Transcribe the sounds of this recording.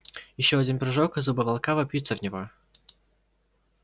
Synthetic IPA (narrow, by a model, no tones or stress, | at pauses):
jɪɕːoɐdʲinpɾɪʐokɨzubɨvɐlˠkavɐpʲjut̪səvnʲɪvo